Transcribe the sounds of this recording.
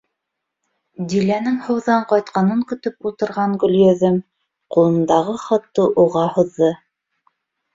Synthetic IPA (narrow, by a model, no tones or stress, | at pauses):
d̪ilænɘŋhɤ̆wðɑɴqɑjt̪̚qɑnɤŋkɵ̆t̪ɵpulˠt̪ɤ̆ɾʁɑŋɡɵ̆ljæðɘm | qulˠɤ̆nd̪ɑʁɤχɑt̪ːɤʔuʁɑhŏðːɤ